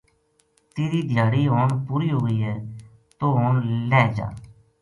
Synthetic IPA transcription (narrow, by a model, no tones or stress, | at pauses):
t̪eːɾiːd̪ʱjaːɽiːɦoːɳpuːɾiːɦoːɡəiːɦɛː | t̪oːɦoːɳlɛːd͡ʒa̰ː